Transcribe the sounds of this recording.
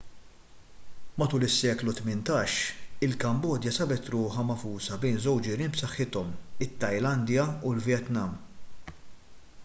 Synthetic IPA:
mɐt̪uːlɪsːɛːklut̪mɪnt̪ɐːʃɪlkɐmbɔːd̪jɐsɐbɛt̪ɾʊːħɐmɐfuːsɐbɛjnzɔwt͡ʃd͡ʒɪɾiːnpsɐħːɪt̪ɔmɪt̪ːɐjlɐnd̪jɐulvjɛt̪nɐm

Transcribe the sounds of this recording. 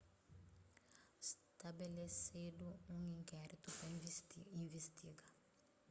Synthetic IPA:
st̪abelesed̪uũŋĩŋkɛɾit̪upɾɐĩvest̪iɡa

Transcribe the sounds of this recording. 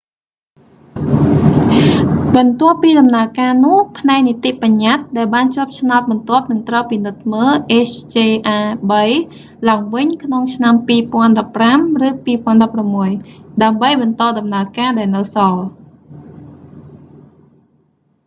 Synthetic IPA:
ɓɑnt̪ŏəpːiːɗɑmnaəkaːnʊ̆əhpʰnaɛk̚nit̪iʔpaɲːat̪̚ɗaɛlɓaːnt͡ɕoəp̚t͡ɕʰnaɔt̪̚ɓɑnt̪ŏəp̚nɨŋt̪rəwpinɨt̪̚məːlʔeːt͡ɕʰt͡ɕeːʔaːɓəj | laəŋʋɨɲkʰnoŋt͡ɕʰnampiːpŏənɗɑpːramrɨːpiːpŏənɗɑpːramːuəjɗaəmɓəjɓɑnt̪ɑːɗɑmnaəkaːɗaɛlnɨwsɑl

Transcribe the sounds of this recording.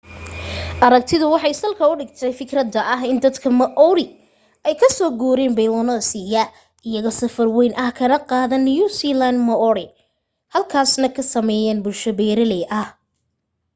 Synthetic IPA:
ʔɐɾɐk̚t̪ʰɪðʊwɑħɑjsɐlkʰɐʊɖɪɡt̪ʰɛjfɪkɾɐd̪ɐʔɐɦɪnd̪ɐd̪kʰɐmɐʔɔwɾɪ | ɛjkʰɐsɔːɡuːɾɛːnbɛjlɔnɐsiːjɐ | ɪjɐɣɔsɐfɐrwɛjnʔɐhkʰɐnɐqɑːðɐnːɪjusilanmɐʔɔɾɪ | hɐlkʰaːsnɐkʰɐsɐmɛːjɛːnbʊlʃɐβɛːɾɐlɛʔɐh

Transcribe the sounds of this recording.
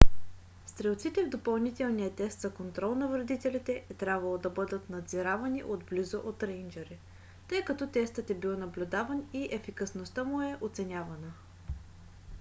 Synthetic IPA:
st̪ɾɛlˠt̪sit̪ɛvd̪opɐlˠnit̪ɛlˠnijət̪ɛst̪zɐkont̪ɾɔlˠnɐvɾɐd̪it̪ɛlit̪ɛʔɛt̪ɾʲjabvɐlˠod̪ɐbɤd̪ət̪nɐd̪ziɾavɐniʔod̪blizoʔot̪ɾɛjnd͡ʒɛɾi | t̪ɤjkɐt̪ɔt̪ɛst̪ət̪ɛbilˠnɐblʲʊd̪avəniʔɛfikɐsnost̪əmʊɛʔot̪sɛnʲavɐnə

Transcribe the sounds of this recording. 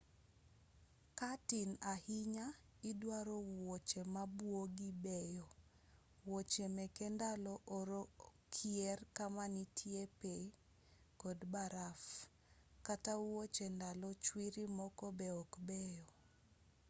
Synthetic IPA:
katinahiɲa | idwaɾɔwot͡ʃemabwoɡibɛjɔ | wot͡ʃemɛkɛndalɔʔɔɾokʰiɛrkamanitʰjepe | kɔdbaɾaf | katawot͡ʃendalɔt͡ʃwiɾimɔkɔbeɔkbɛjɔ

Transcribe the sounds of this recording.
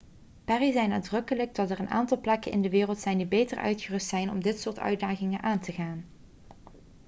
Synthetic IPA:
pɛrizɛjnaːdrɵkələɡ̚dɑtɛrənʔa̰ːntɑlˠplɛkənʔɪ̰ndəʋɪːrəlˠtsɛjndibejtəɹœ̰ɥtχərɵstsɛjnɔ̰mdɪtsʊːɹtœ̰ɥdaːχɪŋənʔaːntəɣaːn

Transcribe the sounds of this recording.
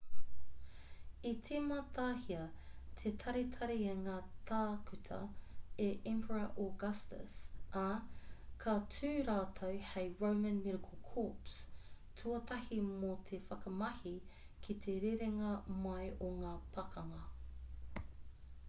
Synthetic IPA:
itʰemɐt̪ʰaːhiɐt̪ʰet̪ʰɐɾit̪ʰɐɾieŋaːt̪ʰaːkʉt̪ʰɐ̰eʔɛmpʰəɹɐʔoɡɐstə̰sa | kʰatʰʉːɾaːtʰowhejɹowmɐ̃nmiɾɐkʰəlˠkʰɔˑps | tʰuɐtʰɐhimot̪ʰefɐkɐmɐhi | kʰit̪ʰeɾeɾeŋɐmɐjʔoŋaːpʰɐkʰɐŋɐ

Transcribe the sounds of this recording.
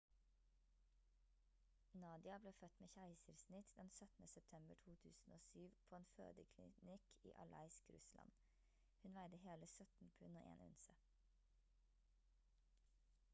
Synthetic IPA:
nɑːd̪ɪɑbleːfœt̪meːçæɪsəɾsnɪt̪d̪ɛnsœt̪n̩əsɛp̚t̪ʰɛmbəʈʰuːt̪ʰʉːsn̩oːsyːʋpʰoːeːnfø̰ːd̪əkʰlɪ̰nɪkʰḭːʔɑ̰lʔɑ̰ɪskɾʉ̰slʔɑ̰n | hʉnʋæɪd̪əheːləsœt̪n̩pʰʉnoːʔḛːnʉ̰nsə

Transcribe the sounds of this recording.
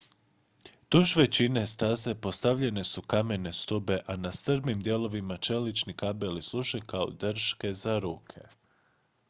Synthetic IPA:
t̪uʒʋe̞t͡ʃine̞st̪aze̞po̞st̪aʋʎe̞ne̞sukame̞ne̞st̪ube̞ʔanast̪ɾbnimd̪je̞lo̞ʋimat͡ʃe̞lit͡ʃnikabe̞lislˠuʒekao̰d̪r̩ʃke̞zaɾuːkʰe̞̰

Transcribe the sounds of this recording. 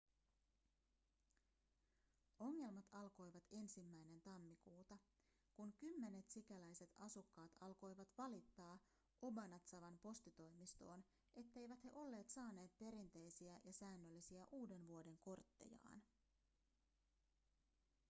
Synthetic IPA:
o̞ŋːe̞lmɑt̪ɑlko̞jʋɑt̪e̞nsimːæjne̞nt̪ɑmːikuːt̪ɑ | kuŋkymːe̞ne̞t̪sikælæjse̞t̪ɑsukːɑːt̪ɑlko̞jʋɑt̪ʋɑlit̪ːɑː | ʔo̞bɑnɑt̪sɑʋɑnpo̞st̪it̪o̞jmist̪o̞ːn | ʔe̞t̪ːe̞jʋæt̪he̞ʔo̞lːe̞ːt̪sɑːne̞ːt̪̚pe̞ɾint̪e̞jsiæjɑsæːnːølːisiæʔuːde̞nʋuo̞de̞ŋko̞rt̪ːe̞̰jɑ̰ːn

